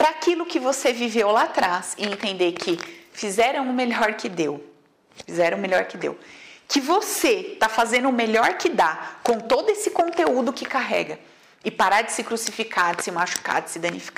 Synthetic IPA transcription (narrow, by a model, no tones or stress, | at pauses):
pɾɐakilʊkɪvosevivewlat̪ɾasɪẽnt̪ẽnd̪ekʰɪfizɛɾɐ̃w̃ʊmeʎɔɾkɪd̪ew | fizɛɾɐ̃w̃meʎɔɾkɪd̪ḛwkɪvoset̪afazẽnd̪ʊʊmeʎɔɾkɪd̪akõw̃t̪od̪ʊesɪkõnt̪eud̪ʊkɪkaɦɛ̰ɡɐ | ɪpaɾaɾd͡ʒɪsɪkɾusifikʰadɪsɪmaʃu̥ka̰d͡ʒɪ̥sɪd̪ɐ̃nifi̥ka